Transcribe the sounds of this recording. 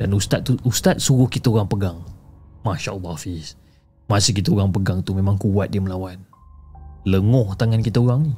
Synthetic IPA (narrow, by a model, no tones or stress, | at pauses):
d̥anust̪at̪̚t̪ːuust̪at̪̚suɾʊhkit̪aoɾaŋpəɡaŋmaʃa̰ʔəlːɔhfis | masɪhk̬it̪aoɾaŋpəɡaŋt̪umẽmaŋkuwat̪̚diəməlawan | ləŋɔht̪aŋankit̪aoɾaŋni